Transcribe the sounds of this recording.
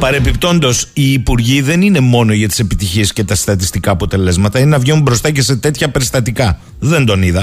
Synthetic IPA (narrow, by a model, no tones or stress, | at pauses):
pɐɾe̞pipt̪o̞nd̪o̞siːpuɾʝiðe̞nine̞mo̞no̞ʝɐt̪i̥se̞pit̪içie̞sce̞t̪ɐst̪ɐt̪̬ist̪ikɐːpo̞t̪e̞le̞zmɐt̪ɐinenɐvʝenumbɾo̞st̪ɐce̞se̞t̪e̞t̪çɐpe̞ɾst̪ɐt̪ikɐ | ðe̞nd̪o̞niðɐ